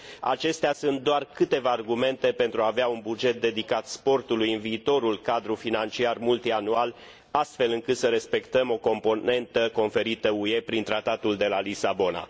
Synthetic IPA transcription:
a̰t͡ʃe̞st̪easunt̪̚d̪oarkɨt̪e̞vaːrɡume̞nt̪e̞pe̞nt̪ɾuaːveaunbud͡ʒe̞t̪̚d̪e̞d̪ikat̪spo̞rt̪ulujɨnviːt̪o̞ɾulkad̪ɾufinant͡ʃiarmult̪ianual | ast̪fe̞lɨŋkɨt̪səɾe̞spe̞kt̪əmo̞ko̞mpo̞ne̞nt̪əko̞nfe̞ɾit̪əue̞pɾint̪ɾat̪at̪uld̪e̞lalisabo̞na̰

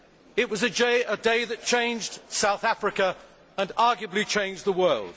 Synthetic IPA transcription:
ɪʔ̚wɒzɨd͡ʒeɪʔədeɪðɨt̚t͡ʃʰẽɪ̃nd͡ʒd̥saʊθæfɹɨkə | ə̃nɑːˑɡjəblit͡ʃʰẽɪ̃nd͡ʒðəwɜːlˠd̥

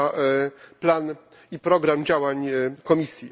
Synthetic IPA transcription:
plan | ipɾɔɡɾamd͡ʑawaɲkɔmʲisʲji

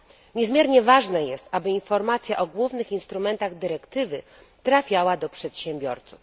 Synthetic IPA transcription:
ɲɛzmʲjɛɾɲɛvaʐnɛjɛst̪abɘinfɔɾmat̪sʲjaʔɔɡwuvnɘxinst̪ɾumɛnt̪aɣd̪ɘɾɛkt̪ɘvɘ | t̪ɾafʲjawad̪ɔpʂɛt̪ɕɛ̃mbʲjɔ̰ɾt̪suf

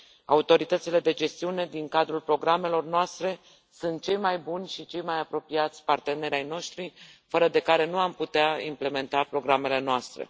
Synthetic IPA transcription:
a̰ut̪o̞ɾit̪ət̪sile̞d̪e̞d͡ʒe̞st̪iune̞d̪iŋkad̪ɾulpɾo̞ɡɾame̞lo̞rnoast̪ɾe̞ | sunt̪̚t͡ʃe̞jmajbunʲʃit͡ʃe̞jmajapɾo̞piat̪sʲpart̪e̞ne̞ɾeajno̞ʃt̪ɾifəɾəd̪e̞kaɾe̞nuamput̪eaḭmple̞me̞nt̪apɾo̞ɡɾame̞le̞noast̪ɾe̞̰

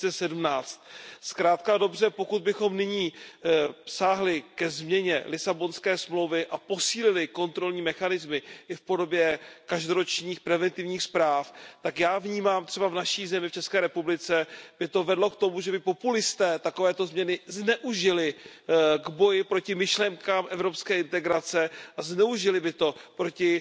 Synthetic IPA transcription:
ɛsɛdumnaːt͡st̪skɾaːt̪kado̞br̝ɛpo̞kud̪̚bɪxo̞mnɪɲiː | saːɦlɪkɛzmɲɛɲɛ̰lɪsabo̞nskɛːsmlowvɪʔapo̞siːlɪlɪko̞nt̪ɾo̞lɲiːmɛxanɪzmɪʔɪfpo̞do̞bjɛkaʒdoɾo̞t͡ʃɲiːxpɾɛvɛnt̪ɪvɲiːxspɾaːft̪akjaːvɲiːmaːmt̪rɛbavnaʃiːzɛmɪft͡ʃɛskɛːɾɛpublɪt͡sɛb̥ɪt̪o̞vɛdlo̞kt̪o̞muʒɛbɪpo̞pulɪst̪ɛːt̪akovɛːt̪o̞zmɲɛnɪznɛʔuʒɪlɪ | ɡbo̞jɪpɾo̞cɪmɪʃlɛŋkaːmʔɛvɾo̞pskɛːɪnt̪ɛɡɾat͡sɛʔaznɛuʒɪlɪbɪt̪o̞pɾo̞cɪ

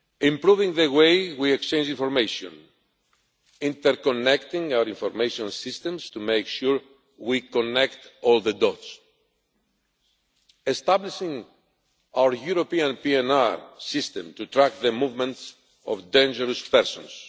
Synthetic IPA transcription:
ĩmpɾuvĩŋðəwejwiekst͡ʃẽnd͡ʒĩnfoɾmejʃõn | ĩnt̪əɾkonɛkt̪ĩŋawəɾĩɱfoɾmejʃõnsist̪ɛ̃mst̪umejkʃuɹ | wikonɛkt̪ɔlˠðəd̪ɔts | est̪abliʃĩŋ | awə˞juɾopiãnpiɛ̃naɹsist̪ɛ̃mt̪ut̪ɾak̚t̪ðəmuvmə̃nts | ɔ̰vd̪ẽnd͡ʒəɾəspɛɾsɔ̃ns

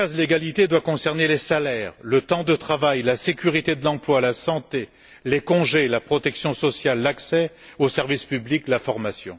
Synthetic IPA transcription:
azleɡalit̪ed̪wakɔ̃sɛʁnelesalɛːʁlət̪ɑ̃d̪ət̪χavajlasekʲyʁit̪ed̪əlɑ̃plwalasɑ̃t̪e | lekɔ̃ʒelapχɔt̪ɛksjɔ̃sɔsjalːaksɛ | osɛʁvispybliklafɔʁmasjɔ̰̃

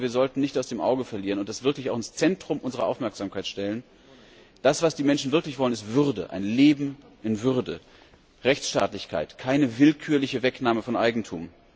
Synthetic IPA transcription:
viːɐzɔltn̩nɪçtaʊsd̥eːmʔa̰ʊɡəfɛɐliːʁənʊntd̥asv̥ɪɐklɪçaʊxɪnst͡sɛntʁ̥ʊmʔʊnzəʁɐ̰ʔa̰ʊfmɛɐkz̥aːmkʰaɪtʃtɛlən | d̥asv̥asd̥iːmɛnʃn̩vɪɐklɪçv̥ɔlənɪstv̥ʏʁdə̰ʔa̰ɪnleːbm̩ | ʔɪnvʏʁdə | ʁɛçt͡sʃta̰ːtlɪçkʰa̰ɪtkʰaɪnəvɪlkʰyːɐlɪçəvɛknaːməfɔnʔaɪɡŋ̩tʰṵːm

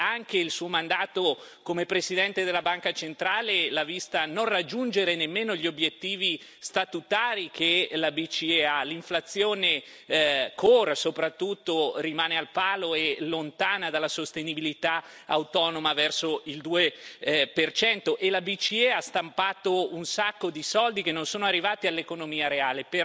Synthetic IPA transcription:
aŋkeilsuːomand̪aːt̪okomepɾesid̪ɛnt̪ed̪elːabaŋkat͡ʃent̪ɾaːlelavist̪anonrad͡ʒːund͡ʒeɾenemːeːnoʎːobjet̪ːiːvi | st̪at̪ut̪aːɾikʰelabit͡ʃiealiɱflat̪sːjoːne | kʰorsopɾat̪ːut̪ːorimaːnealpaːloelont̪aːnad̪alːasost̪enibilit̪a | awt̪ɔːnomavɛrsoild̪uːepert͡ʃɛnt̪oʔelabit͡ʃieast̪ampaːt̪ounsakːod̪isɔld̪ikenːonsoːnoarːivaːt̪ialːekonomiːaɾeaːlepe

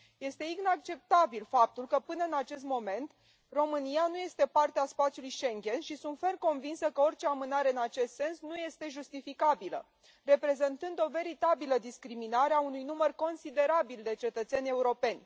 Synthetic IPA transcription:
je̞st̪e̞inak̚t͡ʃe̞p̚t̪abilfap̚t̪ulkəpɨnəɨnat͡ʃe̞st̪mo̞me̞nt̪ | ro̞mɨnijanuje̞st̪e̞part̪easpat̪sʲjulujʃe̞ŋɡʲe̞nʃisunt̪ferko̞nvinsəkəo̞rʲt͡ʃe̞amɨnaɾe̞ɨnat͡ʃe̞st̪se̞nsnuje̞st̪e̞ʒust̪ifikabilə̰ | re̞pɾe̞ze̞nt̪ɨnd̪o̞ve̞ɾit̪abiləd̪iskɾiminaɾeaunujnumərko̞nsid̪e̞ɾabild̪e̞t͡ʃe̞t̪ət̪sʲenʲe̞uɾo̞pe̞nʲ

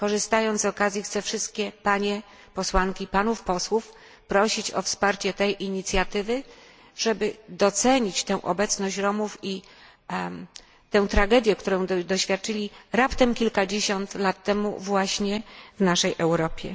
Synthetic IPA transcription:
kɔʐɨst̪ajɔnt̪zzɔkazʲjixt̪sɛfʂɘst̪̚kʲɛpaɲɛ | pɔswaŋkʲipanufpɔswuf | pɾɔɕit͡ɕɔfspaɾt͡ɕɛt̪ɛjʔiɲit̪sʲjat̪ɘvɘ | ʐ̥ɛbɘd̪ɔt̪sɛɲit͡ɕt̪ɛ̃w̃ʔɔ̰bɛt̪snɔɕt͡ɕɾɔmufi | t̪ɛ̃w̃t̪ɾaɡɛd̪ʲjɛkt̪uɾɔ̃w̃d̪ɔɕfʲjat̪̚t͡ʂɘlʲiɾapt̪ɛmkʲilkad͡ʑeɕɔnt̪lat̪ːɛmṵvwaɕɲɛvnaʂɛjʔɛwɾɔpʲjɛ̰

